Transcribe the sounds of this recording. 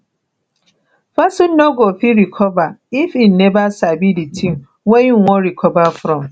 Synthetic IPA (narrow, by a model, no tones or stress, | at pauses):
fasun̩oɡofiɾikʰɔvaifin̩nebasabiditʰim̩ | wejiŋŋʷɔɾikʰɔbafɾɔm̩